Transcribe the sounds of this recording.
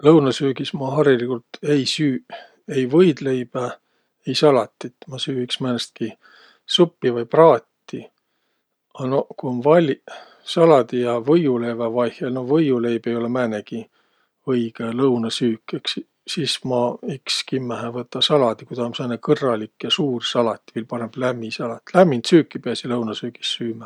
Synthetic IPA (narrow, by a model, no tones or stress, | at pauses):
lɤwnɑsyːɡ̥ismɑɦɑrilikult̪e̞jsyː | e̞jvɤjd̪le̞jb̥æ | e̞jsɑlɑt̪ːit̪ːmɑsyːiksmænest̪̚ki | supːivɑjprɑːt̪ːi | ɑnokuonvɑlʲ | sɑlɑd̪̥ijɑvɤjulevɑvɑjhjɑlno̞hvɤjule̞jb̥ejo̞lemæːneɡi | ɤjɡ̥elɤwnɑsyːkːˑeks | sismɑikskimːæɦævɤt̪ːˑɑsɑlɑd̪̥ikud̪ɑmsɑnekɤrːɑlikːjɑsuːrsɑlɑt̪ʲːˑi̥viːlpɑɾemb̥læmːisɑlɑt̪ʲːlæmːint̪syːkːˑipeæsilɤwnɑsyːɡ̥i̥sːyːmæ